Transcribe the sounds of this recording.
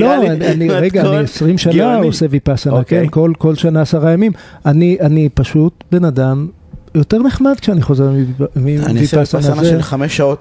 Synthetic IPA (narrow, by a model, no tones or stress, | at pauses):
loananiʁeɡaːniesʁimʃanaosevipasanakenkolko̞lʃanaːsaʁajamimaniʔanipaʃutbe̞nadam | jo̞te̞ʁneχmad̪̚kʃeaniχo̞zeʁimḭnivipasananzeameʃaot